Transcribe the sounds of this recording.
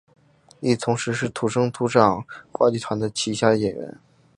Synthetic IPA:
i˥˩t̪ʰʊ˧˥ŋʂɻ̩˧˥ʂɻ̩˥˩t̪ʰu˧˥ʂɤ˥ŋt̪ʰu˧˥ʈ͡ʂɑ˨˩ŋkwa̰˥t͡ɕi˥˩t̪ʰwa˧˥nd̪ə˧t͡ɕʰi˧˥ɕja˥˧jɛ˨˩nɥə̰˧˥n

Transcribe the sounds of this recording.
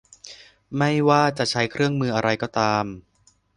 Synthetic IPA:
ma˥˩jwaː˥˩t͡ɕa˨˩t͡ɕʰa˦˥jkʰɾɯ˥˩əŋmɯː˧ʔa˧ɾa˧jkɔː˥˩t̪aː˧m

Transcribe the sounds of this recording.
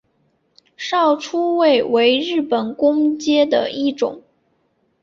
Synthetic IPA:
ʂɑ˥˩ʊʈ͡ʂʰu˥we˥˩ɪwe˧˥ɪɻɻ̩˥˩pə˨˩nkʊ˥ŋt͡ɕjɛ˥d̪ə̰˨i˥˩ʈ͡ʂʊ̰˨˩˦ŋ

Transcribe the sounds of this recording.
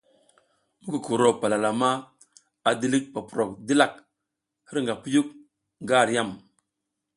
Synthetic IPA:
mu˦ku˨ku˨ɾo˨pa˨la˨la˨ma˦ | a˨di˦li˦k̚pa˨pu˨ɾo˨k̚di˦la˨k̚ | hə˦ɾŋɡa˨pu˦ju˦k̚ | ŋɡa˦˨ɾja˦˨m

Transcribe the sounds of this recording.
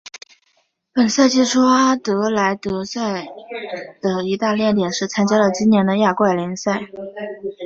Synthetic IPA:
pə˨˩nsa˥˧ɪt͡ɕi˥˩ʈ͡ʂʰu˥a˥t̪ɤ˧˥la˧˥ɪt̪ɤ˧˥sa˥˩ɪ | d̪̥ə˩i˧˥t̪a˥˧ljɛ˥˩nt̪jɛ˨˩nʂɻ̩˥˩t͡sʰa˥nt͡ɕja˥lə˨t͡ɕi˥njɛ˧˥nd̪ə˧ja˥˧kwa˥˩ɪli˧˥nsa˥˩ɪ

